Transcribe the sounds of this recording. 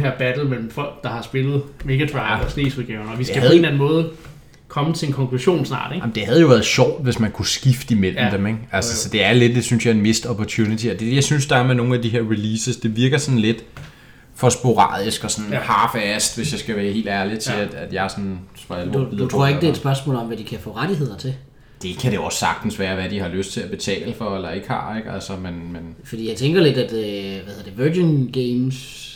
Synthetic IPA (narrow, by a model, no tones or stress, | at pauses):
heɐb̥æd̥l̩mel̰m̩fɒ̽l̰ɡ̥̚d̥ɑ̈hɑ̈sb̥e̝lð̞̩ˠmeɡ̥æt͡sʰʁɑɪ̥ɒsne̝̰ːsuðˠɡ̥ɛʊɐnɒʋisæhæð̩ˠe̝nlæn̩mɔ̽ːð̞̩ˠ | kʰɒ̽mət͡sʰe̝enkʰɒ̽ŋkʰluɕo̝̰ːnsnɑ̰̈ːd̥eɡ̥jm̩d̥e̝hæð̩ˠjo̝ʋæːɐð̞̩ˠɕɒʊ̰d̥ʋe̝smænkʰusɡ̥ifd̥əimel̰m̩d̥emeɡ̥ælsəsɒ̽d̥e̝æɐle̝d̥e̝synsjɑ̈e̝nme̝sd̥ɒpʰɒt͡sʰunit͡sʰiɒd̥ejɑ̈ɪsynsd̥ɑ̈æɐmeno̝ːn̩æd̥iɦeɐ̰ʁiliːsəsd̥e̝ʋiɐɡ̥ɐsɒ̽nle̝d̥ | fɒ̽sb̥o̝ʁɑ̰̈ːðˠisɡ̥ɒ̽sɒ̽nhɑ̈ːfæsd̥ʋe̝sjɑ̈ɪsɡ̥æʋæːɐhe̝̰ːld̥æɐli̥t͡sʰe̝æd̥æd̥jɑ̈sɒ̽nsmɑdut͡sʰʁo̝ɐ̰eɡ̥d̥eɐɪd̥sb̥ɶɐsmɔ̰ːlɒ̽mʋæd̥ikʰæfɔ̰̽ːʁaɾ̥ihe̝ð̞̰ˠɐt͡sʰe̝ | d̥e̝kʰæɾe̝ɒ̽sːɑ̈ɡ̥d̥n̩sʋæːɐʋæd̥ihɑ̈løsd̥̚t͡sʰe̝æb̥e̝t͡sʰɛ̰ːləfɒ̽elɐe̝ɡ̥hɑ̰̈ːeɡ̥ælsɐmenmenfd̥ḭːjäɪt͡sʰeŋɡ̥ɐle̝d̥æd̥ʋæheðɐd̥eʋøːɡenɡ̥eːms